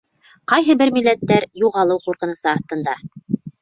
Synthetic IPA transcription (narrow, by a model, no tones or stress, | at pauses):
qɑjɦɤbɘɾmilːæt̪ːæɾjuʁɑlˠɤwquɾqɤ̆nɤ̆sɤɑθt̪ɤ̆nd̪ɑ